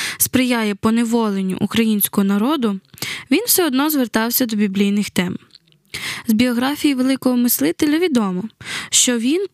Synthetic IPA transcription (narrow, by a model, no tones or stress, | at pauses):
spɾɪjajɛpɔneʋɔlˠenʲːʊ̰ʔukɾɐjinʲsʲkɔɦɔnɐɾɔd̪ʊʋʲinwsɛɔd̪nɔzʋert̪ɑwsʲɐd̪ɔbʲiblʲijnɪxt̪ɛm | zbʲiɔɦɾɑfʲijiʋelˠɪkɔɦɔmɪslˠɪt̪elʲɐʋʲid̪ɔmɔʃt͡ʃɔʋʲin